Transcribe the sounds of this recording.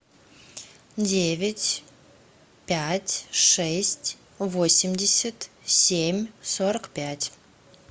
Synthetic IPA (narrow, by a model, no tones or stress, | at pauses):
dʲevʲɪtʲ | pʲætʲʂɛsʲtʲ | vosʲɪmʲdʲɪsʲət̪sʲemʲsoɾəkpʲætʲ